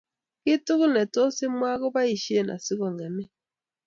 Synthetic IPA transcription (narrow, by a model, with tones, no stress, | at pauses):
ki˦tu˦ɣu˦nɛ˨to˦si˦mwa˦ɣo˦βa˦i˨ʃi˦e˦˨na̰˨si˦ɣɔ˨ŋa˨mi˦